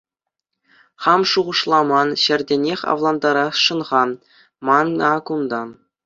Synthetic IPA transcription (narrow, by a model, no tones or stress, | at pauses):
χɑmʂuʁɤ̆ʂlˠɑmɑnɕɘ̆rʲdʲenʲexʲɑ̰vlˠɑnd̪ɑɾɑsʂɤ̆nʁɑ | mɑnːkund̪ɑ